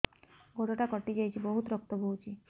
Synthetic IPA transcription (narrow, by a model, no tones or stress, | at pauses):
ɡoʈɔʈakɔʈid͡ʒajt͡ʃʰibɔɦut̪ɾɔk̚t̪ɔbʱout͡ʃʰi